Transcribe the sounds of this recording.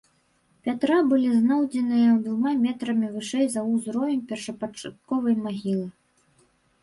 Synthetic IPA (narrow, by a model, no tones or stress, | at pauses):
pʲat̪ɾabɨlʲiznɔwd͡zʲɛnɨjɐd̪vumamʲɛt̪ɾɐmʲivɨʂɛjzɐuzɾɔvʲɛmʲpʲɛrʂɐpɐt͡ʂat̪̚kɔvɐjmaɣʲilˠɨ